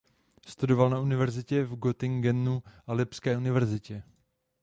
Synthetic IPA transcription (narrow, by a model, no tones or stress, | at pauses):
st̪udo̞valnaʔunɪvɛɾzɪcɛvɡot̪ɪŋɡɛnːuʔalɪpskɛːunɪvɛɾzɪcɛ